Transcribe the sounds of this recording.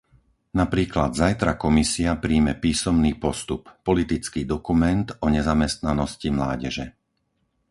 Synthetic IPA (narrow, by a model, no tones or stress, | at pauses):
napɾiːklad̪zajt̪ɾakɔmisiapɾiːmɛpiːsɔmniːpɔst̪upːɔlit̪it͡skiːd̪ɔkumɛnt̪ɔɲɛzamɛst̪nanɔscimlaːɟɛʒɛ̰